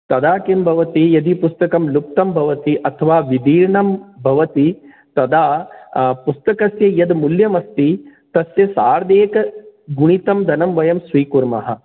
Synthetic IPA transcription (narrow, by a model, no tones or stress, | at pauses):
t̪ɐd̪aːkimbʱɐʋɐt̪ijɐd̪ipust̪ɐkɐmlup̚t̪ɐmbʱɐʋɐt̪iʔɐt̪ʰɐʋaːʋid̪ʱiːɾɳɐmbʱɐʋɐt̪i | t̪ɐd̪aːpust̪ɐkɐsjɐjɐd̪muljɐmɐst̪it̪ɐsjɐsaːɾd̪eːkɐɡuɳ̃it̪ɐmd̪ʱɐnɐmʋɐjɐmsʋiːkuɾmɐ̰ɦɐ̰